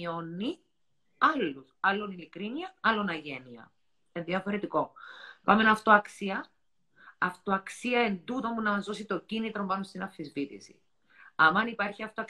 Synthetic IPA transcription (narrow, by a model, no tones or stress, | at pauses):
onːi | ɐlːusɐlːonilikɾiniɐɐlːonɐʝe̞niɐ̰ | enðiɐfo̞ɾe̞t̪iko̞pɐme̞nɐft̪oɐksiɐ | ɐft̪oɐksiɐe̞nd̪ut̪omunɐmɐzo̞sit̪o̞cinit̪ɾo̞mbɐnost̪inɐfizvit̪ḭsḭ | ɐmɐnipɐɾçiɐft̪oɐk